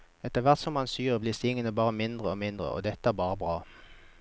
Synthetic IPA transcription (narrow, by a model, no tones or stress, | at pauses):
ɛt̪əʁʋæʁt̪sɔmɑnsyːʁəblɪːʁsɪŋːənəbɑːʁəmɪnd̪ʁəoːmɪnd̪ʁə̰ʔo̰ːd̪ɛt̪ːəæːʁbɑːʁəbʁɑː